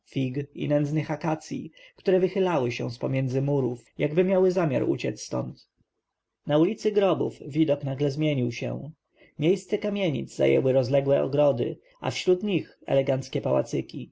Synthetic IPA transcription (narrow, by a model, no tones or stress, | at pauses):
fʲiɡḭnɛnznɘxakat̪sʲjḭkt̪uɾɛvɘxɘlawɘɕɛ̃spɔmʲjɛnd̪zɘmuɾufjaɡbɘmʲjawɘzamʲja̰ɾṵt͡ɕɛt̪sst̪ɔ̰nt̪ | naulʲit̪sɘɡɾɔbṵfvʲid̪ɔknaɡlɛzmʲjeɲiwɕɛ̰̃ | mʲjejst̪sɛkamʲjeɲḭd̪zza̰jɛ̰wɘɾɔzlɛɡwɛɔ̰ɡɾɔd̪ɘ̰ | a̰fɕɾut̪ɲixɛ̰lɛɡant̪skʲɛpawa̰t̪sɘkʲi